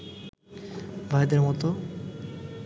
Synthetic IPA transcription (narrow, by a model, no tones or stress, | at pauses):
bʱajd̪eɾmɔt̪o